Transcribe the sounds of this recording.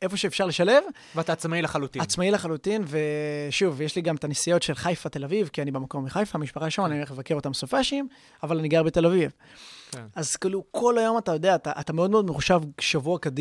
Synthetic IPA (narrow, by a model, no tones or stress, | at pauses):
ʔe̞fo̞ʃeːfʃaʁleʃale̞v | vataːt͡smailaχalutiat͡smaileχalutinveʃuvjeʃliɡamtanisijo̞tʃe̞lχajfat̪e̞lavivkianibemako̞miχajfamiʃpaχaʃonanimeχlevake̞ʁo̞t̪amsofaʃim | avalaniɡaʁbet̪e̞laviv | kʔazkiːlukʰo̞lajo̞matajo̞d̪e̞aːtaʔatameo̞d̪me̞odme̞χuʃavʃavuakadi